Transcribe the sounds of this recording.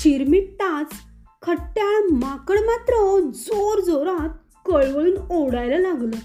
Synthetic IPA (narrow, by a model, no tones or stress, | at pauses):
ɕiɾmiʈ̚t̪at͡s | kʰəʈːjamakəɭmat̪ɾəd͡zoɾd͡zoɾat̪̚ | kəɭʋəɭuːnowɽajlalaɡlə